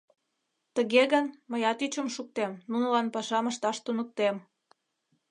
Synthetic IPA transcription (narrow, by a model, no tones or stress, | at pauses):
t̪əɣeɣənməjɑt̪yt͡ɕəmʃuk̚t̪emnunəlɑnpɑʃɑməʃt̪ɑʃt̪unək̚t̪em